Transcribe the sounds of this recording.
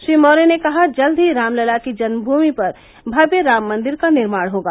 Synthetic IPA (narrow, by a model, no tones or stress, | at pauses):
ʃɾiːmɔːɾenekɐɦad͡ʒɐld̪ʱiɾaːmləlakid͡ʒɐnəbʱuːmipɐɾ | bʱɐbjəɾaːmːɐ̃nd̪ɪɾkanɪɾmaːɽɦoːɡaː